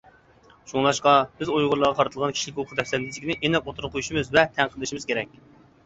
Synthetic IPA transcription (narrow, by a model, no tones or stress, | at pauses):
ʃuŋlˠɑʃqɑb̥ɪzojʁʊɾlˠɑʁɑqʰɑɾɨt̪ɨlˠʁɑnkʰʲi̥ʃlɪkʲokʰʊud̪ɛpsɛnd̪ɪd͡ʒ̪ɪkʲinɪʔenɛp̚ot̪ʰuɾʊqʰojuʃimɨzvɛt̪ʰɛŋqʰəlˠɨʃimɪzkʲeɾɛk̚ʲ